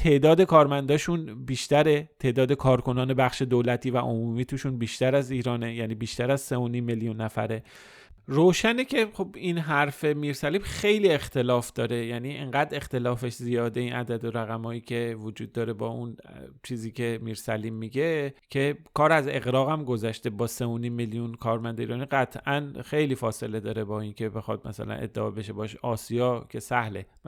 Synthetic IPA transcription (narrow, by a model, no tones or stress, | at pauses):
t̪ʰe̞ʔd̪ɒːd̪e̞kʰɒːɾmænd̪ɒːʃunbiːʃt̪æɾe̞t̪ʰe̞ʔd̪ɒːd̪ekʰɒːɾko̞nɒːne̞bæχʃe̞d̪oːlæt̪ʰiːvæ̰ʔo̰muːmiːt̪ʰuʃunbiːʃt̪æɾæziːɾɒːne̞jæniːbiːʃt̪æɾæzseonimːeljunːæfæ̰ɾe̞ | roːʃænecʰe̞χo̞binɦæɾfe̞miːɾsæliːbxejlie̞xt̪e̞lɒːfd̪ɒːɾe̞jæniːʔḛŋɡæːd̪e̞xt̪e̞lɒːfe̞ʃzijɒːd̪einʔæ̰d̪æd̪oɾæɣæmɒːjiːcʰe̞vod͡ʒuːd̪ːɒːɾe̞bɒːunt͡ʃʰiːziːcʰe̞miːɾsæliːmːiɟecʰe̞kʰɒːɾæze̞ɣɾɒːɣæmɡo̞zæʃt̪ebɒːse̞onimːeljunkʰɒːɾmænd̪eḭːɾɒːniɡæt̪ʰʔænxe̞jliːfɒːse̞le̞d̪ɒːɾe̞bɒːinkʰe̞be̞xɒd̪̚mæ̰sæ̰læ̰nʔḛd̪ːeɒ̰ːbe̞ʃebɒːʃɒːsijɒːcʰe̞sæhle